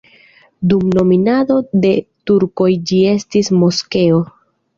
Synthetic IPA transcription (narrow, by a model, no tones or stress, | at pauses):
dumno̞minado̞de̞tuɾko̞jd͡ʒie̞stismo̞ske̞o̞